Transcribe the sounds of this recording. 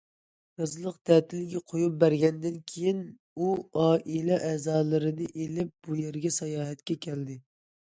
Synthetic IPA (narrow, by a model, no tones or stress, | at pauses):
ɾɑzlˠəqd̪̥ɛːt̪ʰɪlɡʲɛqʰojup̚bæɾɡʲɛnd̪ɪnkʲʰejin | uɑːʔilˠɛʔɛːzɑːlˠɨɾɨnɨʔelɪp̚b̥ujeɾɡʲɛsɑjɑːɦɛt̪kʲɛkʲʰɛld̪ɪ